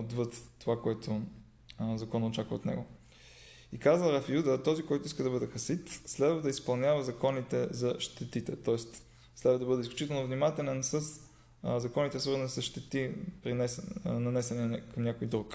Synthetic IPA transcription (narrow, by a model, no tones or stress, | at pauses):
od̪vət̪ːovakoɛt̪ʰʊ | zɐkɔnɐot͡ʃakvət̪nɛ̰ɡo | ikazəɾɐfjud̪ət̪ɔzikɔjt̪ʊiskəd̪ɐbɤd̪ɛxɐsit̪slɛd̪vəd̪ɐispɐlˠnʲavəzɐkɔnit̪ɛzɐʃt̪ɛt̪it̪ɛ̰t̪ɔɛst̪ | slɛd̪vəd̪ɐbɤd̪ɛisklʲut͡ʃit̪ɛlˠnovnimat̪ɛlɛnsəs | zɐkɔnit̪ɛsvəɾzənisəsʃt̪ɛt̪ipɾinɛsnɐnɛsɛnɛɛkɐmnʲakojd̪ɾuk